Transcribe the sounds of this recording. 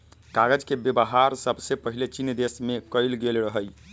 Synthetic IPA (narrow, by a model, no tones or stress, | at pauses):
kaɡəd͡ʒkebebəɦaɾsəbsepəɦilet͡ʃinjd̪esmekəjlɡelɾəɦəj